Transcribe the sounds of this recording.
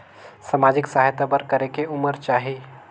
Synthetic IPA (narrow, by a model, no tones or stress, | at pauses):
samad͡ʒɪksəɦajt̪abəɾkəɾekeʊməɾt͡ʃaːɦi